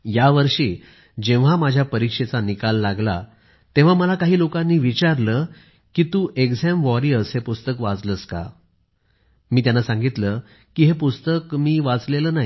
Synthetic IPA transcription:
jaʋəɾʂiː | d͡ʑẽʋ̤amad͡ʑʱjapəɾikʂet͡sanikalːaɡla | t̪eʋ̤aməlakaɦiːlokãnːiːʋit͡ɕaɾləː | kit̪uːʔekd͡zɛmʋɔɾiəsɦepust̪əkʋad͡zləska̰ | miːt̪janːasãŋɡit̪ləː | kiɦepust̪əkmiːʋad͡zleləːnaɦi

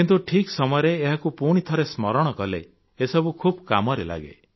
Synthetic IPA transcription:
kint̪uʈʰiksɔmɔjɔɾeːɦakupuɽ̃it̪ʰɔɾesmɔɾɔɽ̃ɔkɔlḛ | esɔbukʰubkamɔɾela̰ɡḛ

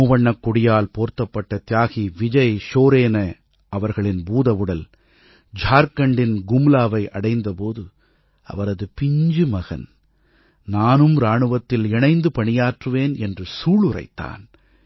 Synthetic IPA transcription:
uːʋɐɳːɐkːɔɽɪjaːlpoːɾt̪ːɐpːɐʈːɐt̪jaːɣiʋɪd͡ʒɐɪʃoːɾeːnɐ | ʔɐʋɐɾɣɐɭɪnbuːðɐʋɯɽɐl | d͡ʒʱaːɾkɐɳɖɪnɡʊmlaːʋɐɪʔɐɽɐɪnd̪ɐpoːðɯ | ɐ̰ʋɐɾɐðɯpɪɲd͡ʒɯmɐɣɐ̰n | naːnɯmɾaːɳɯʋɐt̪ːɪlɛɳɐɪnd̪ɯpɐɳɪjaːʈrɯʋeːnɛndrɯsuːɭɯɾɐ̰ɪt̪ːa̰ːn

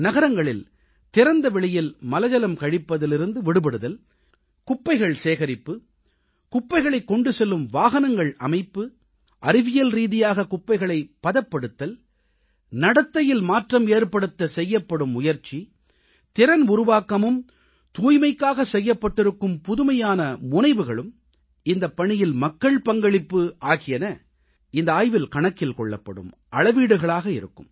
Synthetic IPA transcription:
nɐɣɐɾɐŋɡɐɭɪ̰l | t̪ɪɾɐnd̪ɐʋɛɭɪjɪlmɐlɐd͡ʒɐlɐmkɐɻɪpːɐðɪlɪɾɯnd̪ɯʋɪɽɯpɐɽɯðɐl | kʊpːɐɪɣɐɭseːɣɐɾɪpːɯ | kʊpːɐɪɣɐɭɐɪkːɔɳɖɯsɛlːɯmʋaːɣɐnɐŋɡɐɭɐ̰mɐɪpːɯ | ʔɐɾɪʋɪjɐlɾiːðɪjaːɣɐkʊpːɐɪɣɐɭɐɪpːɐðɐpːɐɽɯt̪ːɐl | nɐɽɐt̪ːɐjɪlmaːʈrɐmeːɾpɐɽɯt̪ːɐsɛjːɐpːɐɽɯmːʊjɐɾt͡ʃːi | t̪ɪɾɐnʊɾʊʋaːkːɐmɯm | t̪uːjmɐɪkːaːɣɐsɛjːɐpːɐʈːɪɾɯkːɯmpʊðʊmɐjaːnɐmʊnɐɪʋɯɣɐɭɯm | ɪnd̪ɐpːɐɳɪjɪlmɐkːɐɭpɐŋɡɐɭɪpːɯʔaːɣɪjɐnɐ | ɪnd̪ɐaːjʋɪlkɐɳɐkːɪlkɔɭːɐ̰pːɐ̰ɽɯ̰m | ʔɐɭɐʋiːɽɯɣɐɭaːɣɐɪ̰ɾɯ̰kːɯ̰m

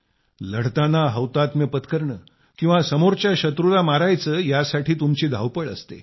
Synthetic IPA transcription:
ləɽt̪anaɦəwt̪at̪mepət̪kəɾɳəː | kĩw̃ʋasəmoɾt͡ɕjaɕət̪ɾulamaɾajt͡səːjasaʈʰiːt̪umt͡ɕiːd̪ʱa̰wpəɭəst̪ḛ

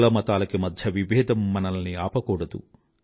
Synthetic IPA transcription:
ɭɐmɐt̪aːlɐkːemɐd̪ʱjɐʋiʋeːd̪ɐmːɐnɐlniaːpɐkɔːɽɐd̪ṵ

